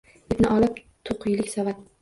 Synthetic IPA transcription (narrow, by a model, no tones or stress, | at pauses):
ɪt̪nɪʔɒlɪp̚ | t̪ʰoqʰʊjlɪkʲsavat̪